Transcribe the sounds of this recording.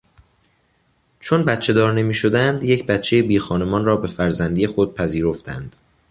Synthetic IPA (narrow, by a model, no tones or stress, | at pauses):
t͡ʃʰo̞nbæt̪t͡ʃʰe̞d̪ɒːɾne̞miːʃo̞d̪ænd̪je̞cʰbæt̪t͡ʃʰe̞jebiːxɒːne̞mɒːnrɒːbe̞fæɾzænd̪iːjexo̞d̪̚pʰæziːɾo̞ft̪ænd̪̥